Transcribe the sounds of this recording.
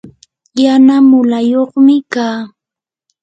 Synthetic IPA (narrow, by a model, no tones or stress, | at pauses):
janamʊlajoχmɪkaː